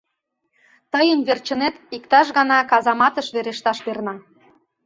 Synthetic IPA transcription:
t̪əjənβert͡ɕə̆net̪ikt̪ɑʃ̬ɣɑnɑkɑzɑmɑt̪əʃβeɾeʃt̪ɑʃβernɑ

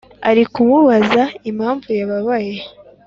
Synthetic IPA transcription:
a̰ɾikumuβazaimhaːɱvujaβaβaje

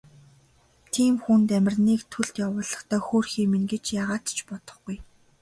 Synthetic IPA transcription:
t̪ʰiːmxunt̪æmʲɪ̆rniːkt̪ʰɵɮt̪jawʊːɮə̆χt̪ʰœːxoːrxiːmeŋɡet͡ɕjaːʁaːt̪t͡ɕʰpɔt̪ɞ̥̆χɡuj

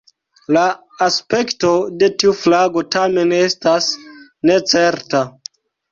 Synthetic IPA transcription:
laː | spe̞kto̞de̞tiuflaɡo̞tame̞ne̞stasne̞t͡se̞ɾta

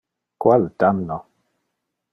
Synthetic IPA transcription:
kwaltanːɔ

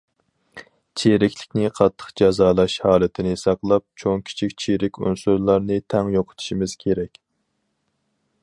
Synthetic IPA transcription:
t͡ʃʰeɾɪkʲlɪkʲnɪqʰɑt̪ʰːə̥qd͡ʒɑzɑːlˠɑʃhɑːlˠɨt̪ʰɪnɪsɑqlˠɑp̚t͡ʃʰoŋkʲʰi̥t͡ʃʰikʲt͡ʃʰeɾɪkʲṵnsuɾlˠɑɾnɨt̪ʰɛŋjoqʰʊ̥t̪ʰu̥ʃimɪz̥kʲʰeɾɛkʲ

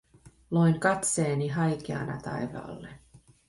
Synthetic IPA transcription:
lojŋkɑt̪seːniɦɑjk̟eɑ̰nɑ̰t̪ɑ̰jʋɑ̰ːlːe

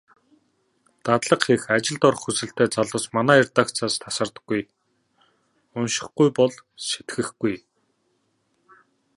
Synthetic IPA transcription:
t̪at̪ɮə̆qxexat͡ɕɪ̆ɮt̪ɔɾ̆χxusɘ̆ɬt̪eːt͡saɮʊ̆ːsmanæːɪrt̪aːkt͡sʰaːst̪ʰasə̆rt̪ə̥̆ɡ̥ːuj | ʊnʃɪ̆χɡujpɔɮʃe̥t̪ɡɘ̆xɡuj

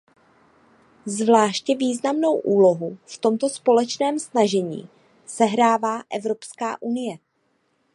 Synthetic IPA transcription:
zvlaːʃcɛviːznamno̞wʔuːlo̞ɦuft̪o̞mt̪o̞spo̞lɛt͡ʃnɛːmsnaʒɛɲḭː | sɛɦɾaːvaːʔɛvɾo̞pskaːʔunɪjɛ

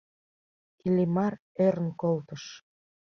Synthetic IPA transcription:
kilʲimɑr | eɾənkolt̪əʃ

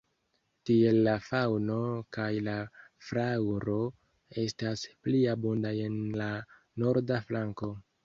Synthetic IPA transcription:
tie̞lːafawno̞kajlafɾawɾo̞ | e̞staspliabundaenla | no̞ɾdaflaŋko̞

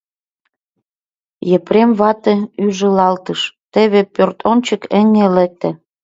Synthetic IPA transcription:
jə̆pɾemβɑt̪ĕyʒə̆lɑlt̪əʃt̪ĕβepørt̪ont͡ɕə̆kə̆ŋelĕk̚t̪æ̆

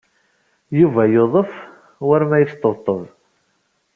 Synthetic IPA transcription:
juvæjoðˤəf | wəɾmæjət͡st̪ˤːəvt̪ˤːəðˤ

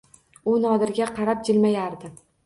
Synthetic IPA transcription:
ʊnɒd̪ɪɾɡʲaqʰɑɾap̚d͡ʒɪlmajaɾd̪ɪ

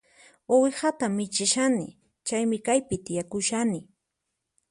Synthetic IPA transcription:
owɪxat̪amːɪt͡ʃɪʃanɪ̰ | t͡ʃajmɪkajpɪt̪ɪjakʊʃanɪ

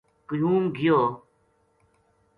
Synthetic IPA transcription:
kujuːmɡijoː

